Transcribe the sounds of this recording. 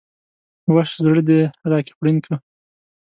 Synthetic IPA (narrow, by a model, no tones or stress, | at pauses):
waʃzɽd̪eɾɑke̥pɽinkʰə